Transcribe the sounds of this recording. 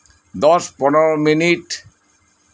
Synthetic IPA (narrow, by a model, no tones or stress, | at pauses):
d̪ɔspɔneɾominiʈ